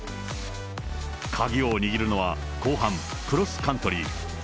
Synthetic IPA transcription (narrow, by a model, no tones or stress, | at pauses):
kʰaɡʲioɲ̟iɡʲiɾɯ̟no̞βa̰ | koːɦãm | kɯ̟ɾo̞sɨ̥kãnt̪o̞ɾʲi